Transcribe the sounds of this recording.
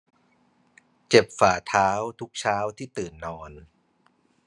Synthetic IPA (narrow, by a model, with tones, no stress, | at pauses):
t͡ɕe˨˩p̚faː˨˩t̪ʰaː˦˥wt̪ʰu˦˥k̚t͡ɕʰaː˦˥wt̪ʰiː˥˩t̪ɯː˨˩nːɔː˧n